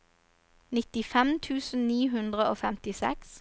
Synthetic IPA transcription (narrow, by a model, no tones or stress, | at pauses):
nɪt̪ɪfɛmt̪ʰʉːsn̩niːɦʉnd̪ʁəoːfɛmt̪ɪsɛ̰ks